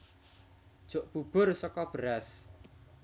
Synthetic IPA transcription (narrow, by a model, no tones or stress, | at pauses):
ʒ̥o̤ʔb̥ub̥ʊrsɔkɔb̥ɾas